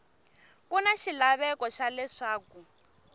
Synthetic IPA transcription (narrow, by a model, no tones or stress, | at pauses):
kunaʃilaβɛkɔʃalɛʂaːku